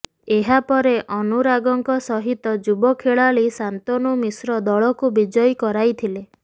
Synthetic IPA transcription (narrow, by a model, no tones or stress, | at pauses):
eɦapɔɾeʔɔnuɾaɡɔŋkɔsɔɦit̪ɔd͡ʒubɔkʰeɭaɭisant̪ɔnumisɾɔd̪ɔɭɔkubid͡ʒɔjkɔɾajt̪ʰile